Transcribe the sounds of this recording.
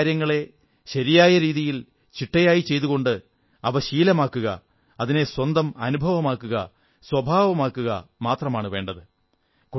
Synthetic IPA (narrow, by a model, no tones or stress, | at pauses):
ɾjɐŋːɐɭe̞ | ɕɐɾijaːjɐɾiːðijil | t͡ɕiʈːɐjaːjit͡ɕe̞jt̪uɣo̞ɳɖɨ | ɐʋɐɕiːlɐmaːkːuɣɐ̰ | ɐðine̞swɐnd̪ɐmɐnubʱɐʋɐmaːkːuɣɐ̰ | swɐbʱaːʋɐmaːkːuɣɐ̰maːt̪rɐmaːɳɨʋe̞ːɳɖɐðɨ | ku